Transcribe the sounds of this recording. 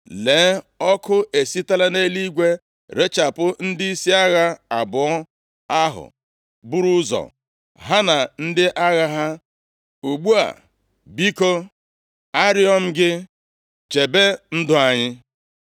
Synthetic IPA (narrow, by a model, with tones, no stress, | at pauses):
le˨˦ | ɔ˦kʊ˦e˨si˦ta˦la˦ne˦li˦ɡʷe˦ | ɾe˦t͡ʃa˨pʊ˦n̩˦dɪ˦i˦si˦a˦ɣa˦a˨bʊ˨ɔ˦ | a˦ɦʊ̰˨ | bu˦ɾu˦zɔ̰˨ | ɦa˦na˨n̩˦dɪ˦ʔa˦ɣa˦ɦa˦ | u˨ɡ͡bu˦a̰˨ | bi˦ko˦ | a˦ɾi˦ɔ˦m̩˦ɡɪ˦ | t͡ʃe˨be˦n̩˦dʊ˦a˨ɲɪ˦